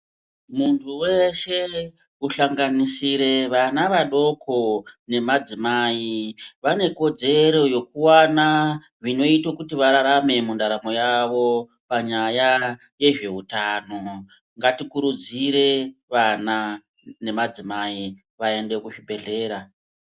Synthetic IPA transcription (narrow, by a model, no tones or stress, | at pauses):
muntʰuwe̞ʃe̞ | uɬaŋɡanisiɾe̞ʋanaʋaɗo̞kʰo̞ne̞mad͡zimaːiʋane̞ko̞d͡ze̞ɾo̞jo̞kuwana | ʐino̞itokutiʋaɾaɾame̞mundaɾamo̞jaʋo̞ | paɲaja | je̞ʐe̞ɦutaːno̞ | ŋɡatikuɾud͡ziɾe̞ʋana | ne̞mad͡zimai | ʋae̞nde̞kuʃibʱe̞ɮe̞ːɾa